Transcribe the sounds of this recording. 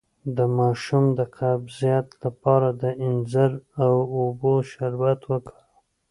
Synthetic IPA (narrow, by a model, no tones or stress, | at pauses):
d̪əmɑʃumd̪əqʰabzijat̪lapɑɾad̪əɪnzaɾawoboʃaɾwat̪wəkə